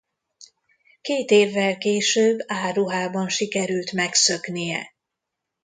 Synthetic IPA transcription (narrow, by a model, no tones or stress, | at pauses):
keːt̪eːvːɛlkeːʃøːbːaːrːuɦaːbɒnʃikɛɾylt̪mɛksø̞knijɛ̰